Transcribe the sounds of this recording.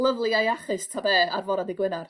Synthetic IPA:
lˠəvlˠɨajaχɨstʰabɛːarvɔɾadiɡwɪnar

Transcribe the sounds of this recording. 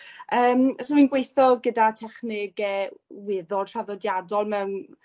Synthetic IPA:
əːmsɔɾinɡwejθɔɡədatʰɛχnɪɡɛwɪðɔdr̥aðɔdjadɔlˠmɛwn

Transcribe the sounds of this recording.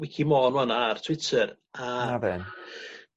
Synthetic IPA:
wikʰimɔːnwanartʰw̥ɪtʰəɾ | aavɛn

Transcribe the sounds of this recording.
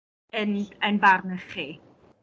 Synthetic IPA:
ənənbarnəχi

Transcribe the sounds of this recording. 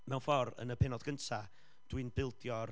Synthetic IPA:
mɛwnfɔɾə̰nəpʰɛnɔðɡ̥əntʰa | d̥wɨnbɪlˠdjɔr

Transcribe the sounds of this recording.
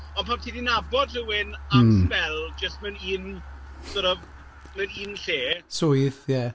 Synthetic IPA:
ɔnpʰamtʰiːdinabɔd̥rəwɪnaspɛlˠd͡ʒəstmɛniːnsəɾɔv | mɨniːnɬeːsʊjθjɛ

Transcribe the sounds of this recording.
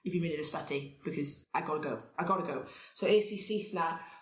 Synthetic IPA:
ivimɪnɪnəspadib̥ɪkʰɔzajɡɔɾəɡowajɡɔɾəɡowsoweːsisejθna

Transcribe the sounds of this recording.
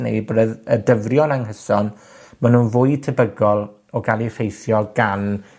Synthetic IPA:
nḛjbədəðədəvrjɔnaŋɦəsɔn | manunvʊɨtʰəbəɡɔlˠ | ɔɡalˠirejθjɔɡan

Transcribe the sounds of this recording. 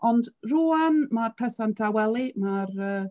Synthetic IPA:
ɔndruːanmarpʰɛsandʰawɛlˠimarəː

